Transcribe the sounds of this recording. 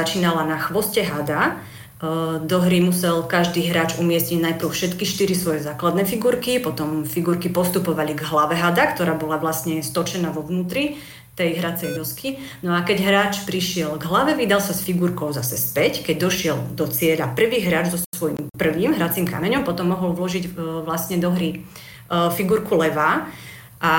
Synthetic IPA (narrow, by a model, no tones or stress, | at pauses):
at͡ʃiːnalanaxʋɔscɛɦad̪a | d̪ɔɦɾimusɛlkaʒd̪iːɦɾaːt͡ʃumɪɛsɲiɟnajpɾ̩ʊfʃɛt̪kiʃt̪iɾisʋɔjɛzaːklad̪nɛfiɡuɾkipɔt̪ɔmfiɡuɾkipɔst̪upɔʋaliɡɦlaʋɛɦad̪akt̪ɔɾaːbɔlaʋlasɲɛst̪ɔt͡ʃɛnaːʋɔʋnuːt̪ɾi | t̪ɛjɦɾat͡sɛjd̪ɔski | nɔakɛɟɦɾaːt͡ʃpɾiʃɪɛlɡɦlaʋɛʋid̪alsasfiɡuɾkɔʊzasɛspɛckɛɟ̚d̪ɔʃɪɛld̪ɔt͡sɪɛʎapr̩ʋiːɦɾaːd͡ʒzɔsʋɔjimpr̩ʋiːmɦɾat͡simka̰mɛɲɔmpɔt̪ɔmːɔɦɔlʋlɔʒiɟʋlasɲɛd̪ɔɦɾi | fiɡuɾkulɛʋaː | ʔa